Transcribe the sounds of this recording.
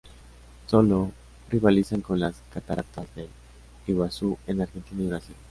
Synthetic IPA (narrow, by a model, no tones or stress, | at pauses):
solo | riβalisaŋkonlaskat̪aɾʔa̰t̪azðel | iβasuenaɾɣent̪iniβɾasil